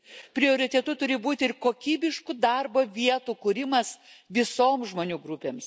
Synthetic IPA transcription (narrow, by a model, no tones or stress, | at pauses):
pʲɾʲɪoːɾʲɪt̪ʲɛt̪ʊt̪ʊɾʲɪbuːt̪ʲɪɪrkoːkʲiːbʲɪʃkʊd̪ɐrboːʋʲiɛt̪ukuːɾʲɪmɐsʋʲɪsoːmsʒmoːnʲuːɡɾʊpʲeːms